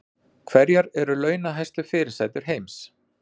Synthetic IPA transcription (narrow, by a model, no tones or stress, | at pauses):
kʰvɛɾjaɾɛɾʏlœːɥnaɦajst̪ʏfɪːɾɪɾ̥sajt̪ʏɾ̥ɦeːjms